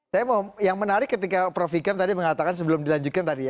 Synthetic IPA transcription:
sajamomjaŋmənaɾɪkːət̪ikapɾofikamt̪adiməŋat̪akans̬əbəlʊmdilaɲd͡ʒut̪̚kant̪adija

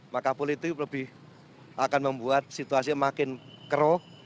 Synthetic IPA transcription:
makapʊlit̪uləb̥ɪh | ʔakanməmbuat̪̚sit̪uas̬imakɪnkəɾɔ

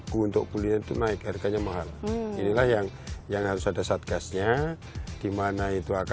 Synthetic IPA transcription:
kunt̪ʊk̚puliɲat̪ṵnaɪk̚aɾikaɲamaɦalinilahjaŋ | jaŋhaɾʊsadasat̪̚ɡasɲa | d̥imanait̪uak

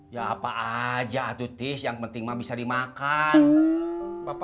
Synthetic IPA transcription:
jaːpaʔad͡ʒaːt̪ut̪ɪsjaŋpənt̪ɪŋmabisadimakan | bap

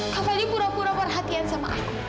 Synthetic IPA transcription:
kʰafalipuɾapuɾabəɾɦat̪ijansɐma̰ʔa̰

